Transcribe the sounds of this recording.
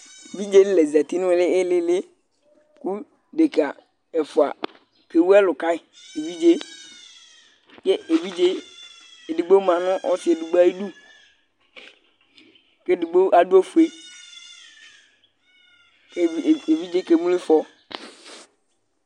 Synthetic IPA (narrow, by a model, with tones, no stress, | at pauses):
vi˦d͡ʒe˦le˨za˨t̪i˦nʊ̃˦˨˦lɪ˦ɪ˦lɪ˦le˦ | ku˦ | ɖe˨ka˨ | e˨fʊ˨a̰˨ | ke˨wu˦ɛ˦lʊ˨ka˦ɪ˨ | e˨vi˦d͡ʒe˦ | ke˦e˨vi˦d͡ʒe˦ | e˨di˨ɡ͡be˦mã˨nʊ̃˦ʔɔ̰˦tɪ˦e˨du˨ɡ͡ba˦ji˦du˦ | ke˦du˨ɡ͡be˦a˨du˦o˦fu˨e˦˨ | e˨vi˦d͡ʒe˦ke˨mũ˦li˦fɔ˦